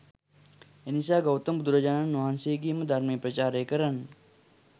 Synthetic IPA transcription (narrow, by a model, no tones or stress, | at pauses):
enisaːɡɐwt̪ɐmbud̪uɾɐd͡ʒaːnannːaɦanseːɡiːməd̪ʱaɾmeːpɾɐt͡ʃaːɾeːkəɾan